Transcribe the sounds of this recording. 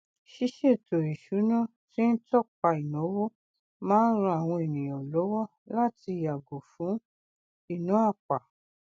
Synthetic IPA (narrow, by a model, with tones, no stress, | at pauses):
ʃi˦ʃe˦˨to˨i˨ʃu˨˦nã˦˨ | ti˦n̩˦tɔ˦˨k͡pa˧i˨nõ˨˦wo˦ | mãː˦n̩˦ɾ̃ũ˧a˨w̃ɔ̃˧e˨nĩ˨j̃ɔ̃˨lɔ˨˦wɔ˦˨ | la˦˨ti˧˨ja˨ɡo˨fũ˨˦ | i˦˨nũ˨˦a˦˨k͡pa˨